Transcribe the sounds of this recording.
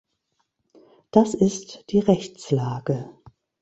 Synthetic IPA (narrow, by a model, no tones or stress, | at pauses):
d̥asɪstd̥iːʁɛçt͡slaːɡə